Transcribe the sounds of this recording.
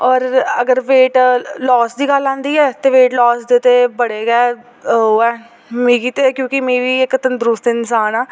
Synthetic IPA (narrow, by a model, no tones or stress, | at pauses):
ɔːɾəɡəɾʋeːʈlɔːsd̪iːɡəlãːnd̪iːɛːt̪eːʋeːʈlɔːsd̪eːt̪eːbəɽeːɡɛː | oːɛː | mĩːkiːt̪ekjõːkɪmĩːʋiːɪkːt̪ənd̪ɾʊst̪ɪnsaːnaː